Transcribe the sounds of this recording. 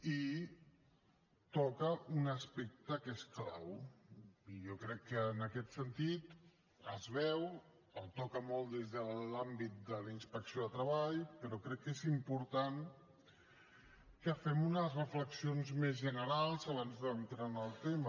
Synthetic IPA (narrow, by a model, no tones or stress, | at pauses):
i | t̪ɔkəunəspɛk̚t̪əkeskla̰w | iʒɔkɾɛkːənəkɛt̪sənt̪it̪ | əzβɛw | əlˠt̪ɔkəmɔlˠt̪d̪ezðəlambit̪̚d̪əlinspəksioðət̪ɾəβaʎpəɾɔkɾɛkːezimpuɾt̪aŋ | kəfɛmunəzrəfləksionzmezʒənəɾalˠzaβ̞anzðənt̪ɾanəlˠt̪emə